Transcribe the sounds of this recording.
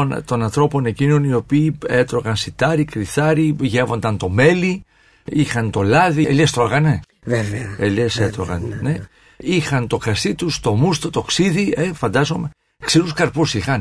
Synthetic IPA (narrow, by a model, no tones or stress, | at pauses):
ont̪o̞nɐnθɾo̞po̞ne̞cino̞nio̞piːet̪ɾo̞ɣɐnsit̪ɐɾikɾiθɐɾiʝevo̞nd̪ɐnt̪o̞me̞li | ixɐnt̪o̞lɐðiḛlest̪ɾoɣɐne | veveɐeleset̪ɾoɣɐ̰nne̞ | ixɐnt̪o̞kɾɐst̪it̪ust̪o̞must̪ot̪o̞ksiðiefɐnd̪ɐzo̞me | ksiɾuskɐɾpusixɐn